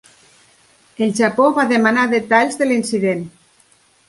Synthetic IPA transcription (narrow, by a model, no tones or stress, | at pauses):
elʒapoβaðemanaðet̪aʎzðelinsiðen